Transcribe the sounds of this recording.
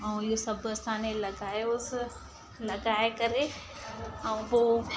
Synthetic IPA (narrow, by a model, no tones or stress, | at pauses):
ɐũijosɐbɐst̪ʰaːnelɐɡaːeʊs | lɐɡaːekɐɾe | ɐũboː